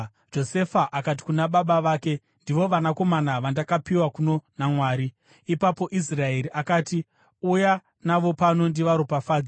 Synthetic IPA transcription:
d͡ʒo̞se̞faʔakat̬i̥kunaɓaɓaʋaːke̞ | ndiʋo̞ʋanako̞manaʋandakapiwakuno̞namwaːɾiː | papo̞ʔis̬rae̞ɾiʔakaːti | uja | naʋo̞pano̞ndiʋaɾopafaːd͡z

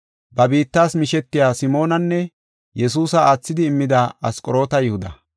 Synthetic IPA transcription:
bɐbiːt̪ːaːsmɪʃɛt̪ːɪjaːsɪmo̞ːnɐnːɛ | jɛs̬uːsɐaːt͡sːɪd̪ɪːmːɪd̪aɐ̰skʼɔɾo̞ːt̪ɐjɪhʊd̪ɐ̰

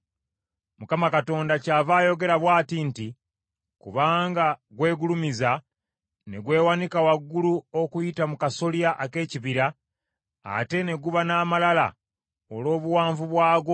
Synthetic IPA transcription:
mukamakato̞ːndacaːvaːjo̞ɡe̞ɾaβwaːtinti | kuβaːŋɡaɡwe̞ːɡulumiza | neɡwe̞ːwanikawaɡːuluokujitamukaso̞ljaʔake̞ːciβiɾa̰ː | te̞ne̞ɡuβanaːmalala̰ | olo̞ːβuwaːɱvuβwaːɡo

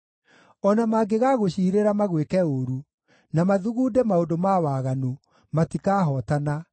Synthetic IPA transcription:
ɔnamaːɡeɣaːɣoɕiːɾeɾamaɣwekɛoɾu | namaðuɣuːdɛmaondomawaɣanu | matikaːɦɔtana

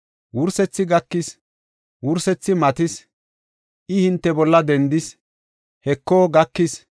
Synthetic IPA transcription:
wʊɾsɛt͡sːɪɡɐkːɪs | wʊɾsɛt͡sːɪmɐt̪ɪs | ʔɪhɪnt̪ːɛbɔlːɐd̪ɛnd̪ɪs | hɛkːoːɡɐkːɪs

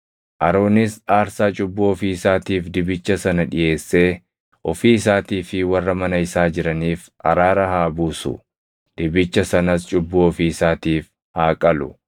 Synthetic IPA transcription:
ʔɐɾo̞ːnɪsaːɾsaːt͡ʃʼʊbːʊɔfiːɪsaːt̪iːfd̪ɪbɪt͡ʃːɐsɐnɐᶑɪje̞ːsːe̞ː | ʔɔfiːɪs̬aːt̪iːfɪwɐrːɐmɐnɐɪsaːd͡ʒɪɾɐniːf | ʔɐ̰ɾaːɾɐhaːbuːsʊ̰ | d̪̥ɪbɪt͡ʃːɐsɐnɐst͡ʃʼʊbːʊɔfiːɪsaːt̪iːf | haːkʼɐlʊ

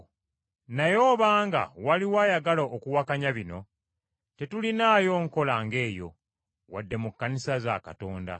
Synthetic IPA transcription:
najo̞ːβaːŋɡa̰waliwajaɡalaʔokuwakaɲaβino̞̰ | te̞tulinaːjo̞ŋko̞laŋɡe̞ːjo̞̰ | wa̰dːe̞mukːanisaza̰ka̰to̞ːnda̰

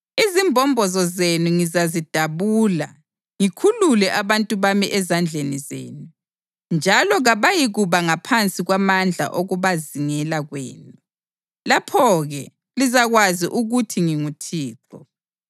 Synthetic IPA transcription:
izimbʱɔmbʱɔzɔzenuŋizazid̥ʱaβula̰ | ŋikʰululɛʔaβantʼuβamiʔɛzand͡ɮʱenizḛːnu | nd͡ʒʱalɔɣaβajiɣuβaŋapʰant͡sʼiɣwamand͡ɮʱa̰ʔoɣuβaziŋɛlaɣwɛ̰ːnu | lapʰɔɣɛ | lizaɣwaziʔuɣutʰiŋiŋutʰiːǁɔ

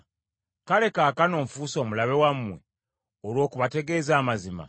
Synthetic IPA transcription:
kale̞kaːkano̞ːɱfuːso̞ːmulaβe̞wamːwe | olwo̞ːkuβate̞ɡe̞ːzaːmazima̰

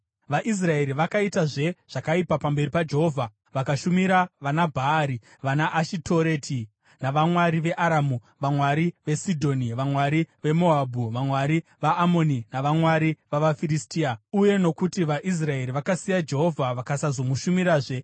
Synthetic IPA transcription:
ʋaʔis̬rae̞ɾiʋakaitaʐe̞ʐ̥akaipapambe̞ɾipad͡ʒe̞ɦo̞vʱa | ʋakaʃumiɾaʋanabʱaːɾi | ʋanaʔːʃitʰoɾetʰi | naʋamwaɾiʋe̞ʔaɾamu | ʋamwaɾiʋe̞sidʱo̞niʋamwaɾiʋe̞mo̞abʱuʋamwaɾiʋaʔːmo̞ninaʋamwaɾiʋaʋafiristiːauje̞no̞kutiʋaʔis̬rae̞ɾiʋakasijad͡ʒe̞ɦo̞vʱaʋakasazo̞muʃumiɾaːʐe̞

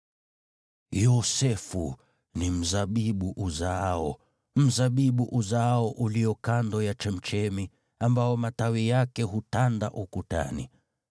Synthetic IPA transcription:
jɔsɛfu | nim̩zaɓiɓuʔuzaɔ | m̩zaɓiɓuʔuzaaɔʔuliɔkandɔjat͡ʃɛm̩t͡ʃɛmi | ambaɔmatawijakɛɦutanda̰ʔukuta̰nḭ

